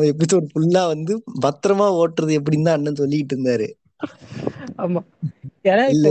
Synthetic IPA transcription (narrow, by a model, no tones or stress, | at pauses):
mɐɛp̬ːɐɽɪt̪ːɔɾɯfʊlːãːʋɐnd̪ɯbɐt̪ːɾɐmaːoːʈrɐðɯɛp̬ːɐɽɪnt̪ãːɐnːɯnsɔlːɪkːɪʈːɾɯnd̪aːɾɯ̰ | aːmaːɛnaɪlːɐ